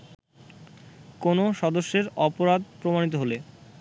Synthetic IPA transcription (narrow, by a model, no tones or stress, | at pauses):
konoʃɔd̪oʃːeɾɔpoɾad̪̚pɾomanit̪̬oɦole